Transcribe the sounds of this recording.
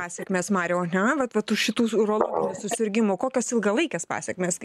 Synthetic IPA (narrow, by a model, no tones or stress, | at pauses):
ɑːsʲɛkmʲeːsmɑːɾʲoʊɐnʲɛʋɐt̪ʋɐt̪ʊʃʃʲɪt̪uːʊɾoːlˠoːɡʲɪnʲuːsʊsʲɪɾʲɡʲɪmʊkoːkʲosɪlˠɡɐlˠɐɪkʲespɑ̰ːsʲɛkmʲeːs